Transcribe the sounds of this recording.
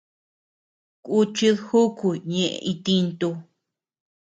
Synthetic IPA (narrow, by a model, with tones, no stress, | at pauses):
ku˦t͡ʃi˦ðhu˦ku˨ɲẽ˨ʔḛ˧ʔi˧t̪i˧nt̪u˧